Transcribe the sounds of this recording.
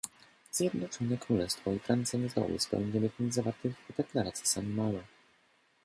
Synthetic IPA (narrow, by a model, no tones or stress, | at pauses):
z̥ʲjɛd̪nɔt͡ʂɔnɛkɾulɛst̪fɔifɾant̪sɛnɛzɔ̰wɘ̰spɛ̰wɲd͡ʑɛlʲɘvɲɛzːavaɾt̪ɘɣd̪ɛklaɾat̪sji̥samːawɛ